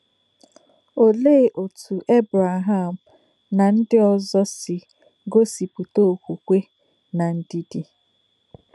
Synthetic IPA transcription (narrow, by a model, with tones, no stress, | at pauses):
o˨le˦˨ʔo˨tʰu˨ʔe˦bɾa˨ɦa˦˨m̩˨ | na˨n̩˦dɪ˦ɔ˦˨zɔ˦sɪ˨ | ɡo˦si˨pu˨to˦˨kʷu˨kʷe˦ | na˨n̩˦di˦di˦